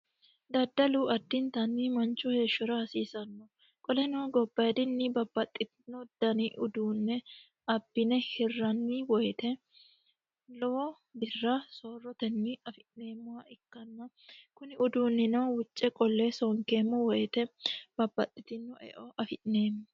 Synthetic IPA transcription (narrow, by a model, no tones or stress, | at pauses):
d̪ɐd̪ɐluːɐd̪ːɪnt̪ɐnːiːmɐnt͡ʃːʊhe̞ːʃːɔɾɐhɐsiːsɐnːɔ | kʼɔlɛnoːɡɔbːɐd̪ɪnːɪbɐbːɐt̪ʼːɪt̪ɪnːɔd̪ɐnɪʔʊd̪uːnːɛ | ɐbːɪnɛhɪrːɐnːiwɔjt̪ɛ | lɔ | bɪrːɐsoːrːɔt̪ɛnːɪɐfɪʔne̞ːmːʊwɐɪkːɐnːɐ | kʊnɪʊd̪uːnːɪnɔwʊt͡ʃʼːɛkʼɔlːesɔŋkeːmːɔwɔjt̪ɛb̥ɐbːɐt̪ʼːɪ̥t̪ɪnːɔʔɛ̰ʔɔʔɐfɪʔneːmːʊ